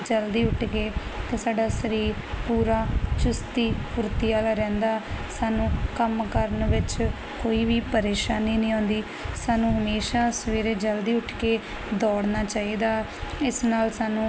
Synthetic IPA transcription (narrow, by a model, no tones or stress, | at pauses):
d͡ʒəld̪iːʊʈʰkeːt̪eːsaːɖaːsəɾiːɾ | puːɾaːt͡ʃʊst̪iːkʊɾt̪iːaːlaːɾɛ̃ːnd̪aːsaːnũːkəmkəɾənʋɪt͡ʃ | koːiːʋiːpəɾeːʃaːniːnĩːõːnd̪iː | saːnũːɦəmeːʃaːsəʋeːɾeːd͡ʒəld̪iːʊʈʰkeː | d̪ɔːɽnaːt͡ʃaːiːd̪aː | ɪsnaːlsaːnũː